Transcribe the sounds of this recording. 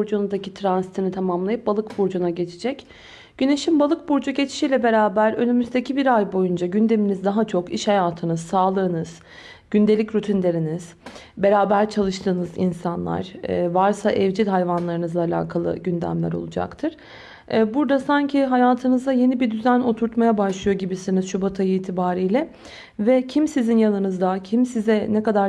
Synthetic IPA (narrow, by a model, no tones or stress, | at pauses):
ɾd͡ʒunud̪acit̪ʰɾansi̥t̪ʰinit̪ʰamamlˠajɯp̚balˠɯkbuɾd͡ʒunaɟe̞t͡ʃʰid͡ʒɛc | ɟ̥yne̞ʃimbalˠɯk̚buɾd͡ʒuɟe̞t͡ʃʰi̥ʃijlʲɛbe̞ɾaːbæɾø̞nymyzd̪ecʰibiɾajbo̞jund͡ʒaɟynd̪e̞minizd̪aɦat͡ʃʰo̞kiʃhajaːt̪ʰɯnɯzsaːlˠɯːnɯz̥ | ɟ̥ynd̪e̞lʲicɾyt̪ʰinlʲe̞ɾiniz̥ | be̞ɾaːbæɾt͡ʃʰalˠɯʃt̪ʰɯːnɯzḭnsanlˠa̰ɾ̥ːvaɾsaʔɛvd͡ʒilɦajvanlˠaɾɯnɯzˠaːlʲa̰ːkʰalˠɯ̰ɟynd̪æ̰mlʲæ̰ɾo̞̰lˠud͡ʒa̰kt̪ʰɯɾ̥ | buɾd̪asaɲcʰiɦajaːt̪ʰɯnɯzd̪aje̞nibiɾd̪yzæno̞t̪ʰuɾt̪majabaʃlˠɯjo̞ɟibisiniz̥ʃubat̪ʰajɯiːt̪ʰibaːɾijlʲɛ | vɛcʰimsizinjanˠɯnɯzd̪acʰimsizɛnɛkad̪aɾ